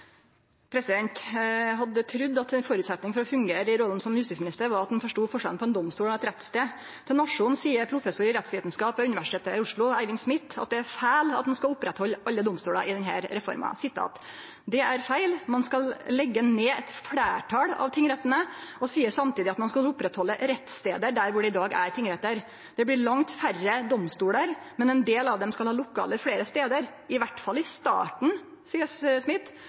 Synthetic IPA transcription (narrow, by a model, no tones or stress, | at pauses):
pʰɾɛsɪd̪ɛnt̪ɦɑd̪ːət̪ʰɾʉd̪ːɑt̪ɛnfɔɾʉːt̪sɛt̪nɪŋfɔɾɔfʉŋɡeːɾəɪɾoːd̪ən̩sɔmjʉst̪ɪsmɪnɪst̪əɾʋɑɾɑt̪̚ɛnfɔʂʈuːfɔʂɛlnpɔɛnd̪ɔmst̪uːlɔɛt̪ɾɛt̪ːst̪eː | t̪ʰɛnɑʂʊnsiːəɾpʰɾʊfɛsʊɾɪɾɛt̪sʋiːt̪n̩skɑːpəʉnɪʋæʂɪ̥ʈ̪ʰeːt̪əɪʊʂɭʊæɪʋɪŋsmɪt̪ːɑt̪̚d̪ɛæɾfæːlɑ̰t̪̚mɑnskɑlʊpːɾɛt̪hɔlːɑlːəd̪ɔmst̪uːɽɑʔɪd̪ɛnɦæ̰ːɾɾɛfɔ̰ɾmɑ̰sɪt̪ʰːɑ̰ɑ̰t̪ | d̪ɛæɾfæɪlmɑnskɑllɛɡːəneːɛt̪fɽæːʈʰɑːɽɑ̰ʋt̪ʰɪŋːɾɛt̪ːənəɔsiːəʂsɑmt̪iːd̪ɪɑt̪mɑnskɑlʊpːɾɛt̪hɔlːəɾɛt̪ːst̪eːd̪əɖæɾʋʊɖɛɪd̪ɑːɡæ̰ɾt̪ɪŋːɾɛt̪ːəɾ | d̪̥ɛbɽɪɭɑŋt̪færəd̪ɔmst̪uːɽəɾ | mɛnɛnd̪eːlɑʋd̪ɛmskɑlhɑːlʊkʰɑ̰ːləɾfɽeːɾəst̪eːd̪əɾ | ɪʋæʈfɑlːɪst̪ɑ̰ːʈɳ̩ | siːəsmɪt̪ː